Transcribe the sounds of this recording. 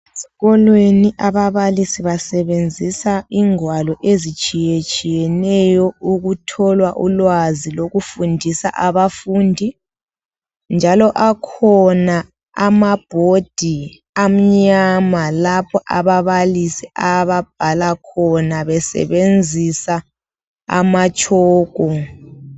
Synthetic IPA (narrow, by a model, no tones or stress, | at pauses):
siɣɔlweniʔaβaβalisiβasɛβend͡zʱisaiŋwalɔʔezit͡ʃʼijet͡ʃʼijɛnɛjɔuɣutʰɔlwaʔulwaziloɣufundʱisa̰ʔaβafuːndʱi | nd͡ʒʱalɔʔakʰɔna | amab̥ʱod̥ʱi | am̩ɲamalapʰɔʔaβaβalisiʔaβab̥̚ʱalakʰɔnaβɛsɛ̰βend͡zʱisa | a̰mat͡ʃʼɔːɣ̥ʱɔ